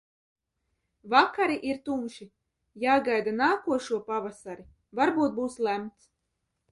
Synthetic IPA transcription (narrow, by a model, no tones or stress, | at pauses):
vakaɾiʔiɾt̪umʃi | jaːɡajd̪anaːkuɔʃuɔpavasaɾi | vaɾbuːt̪̚buːslæmt̪s